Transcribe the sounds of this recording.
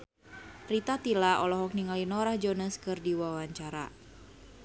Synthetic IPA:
rit̪at̪ilaʔɔlɔɦɔk̚niŋalinɔɾahd͡ʒɔnəskɨrdiwawaɲt͡ʃaɾa̰

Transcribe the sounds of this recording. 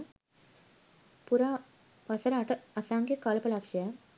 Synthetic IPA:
puɾaː | ʋɐsɐɾaːʈɐɐsaːŋɡjekaːlɐpɐlaːkʂɐja

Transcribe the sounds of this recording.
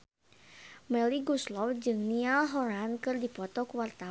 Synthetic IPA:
mɛliɡuslɔfd͡ʒɨŋnialɦɔɾankɨrdipɔt̪ɔkuwart̪a

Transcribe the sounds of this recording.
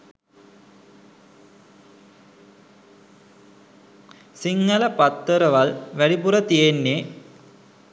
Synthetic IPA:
siŋːɐləpɐt̪ːəɾəʋalʋæɽipuɾət̪ijenːe

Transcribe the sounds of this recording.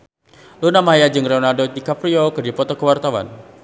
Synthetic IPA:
lunamaɦajad͡ʒɨŋreɔnardodikapɾiokərdipɔt̪ɔkəwart̪awa̰n

